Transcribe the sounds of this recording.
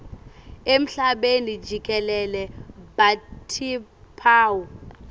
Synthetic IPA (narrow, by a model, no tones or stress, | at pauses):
em̩ɬaɓenid͡ʒʱikʼɛlɛlɛbatʰipʰaːwu